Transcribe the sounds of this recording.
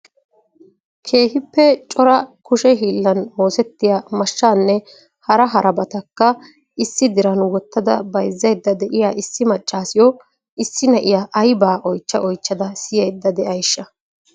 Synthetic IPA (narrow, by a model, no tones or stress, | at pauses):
kʰe̞ːhɪpːɛt͡ʃʼɔɾɐkʊʃɛɦiːlːɐnmo̞ːsɛt̪ːɪjaːmɐʃːaːnːɛ | hɐɾɐɦɐɾʔɐbɐt̪ɐkːɐ | ɪsːɪd̪ɪɾɐnwɔt̪ːɐd̪ɐ̰bɐjzːɐjd̪ːɐd̪ɛʔɪjaːʔɪsːɪmɐt͡ʃʼːaːsɪjɔ | ɪsːɪnɐʔɪjaːʔɐjbaːʔɔjt͡ʃːɐ̰ʔɔjt͡ʃːɐd̪ɐsɪjɛjd̪ːɐd̪ɛʔɐjʃːɐ